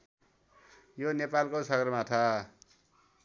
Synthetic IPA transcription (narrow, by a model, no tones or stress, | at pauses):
jonepalkosʌɡʌrmat̪ʰa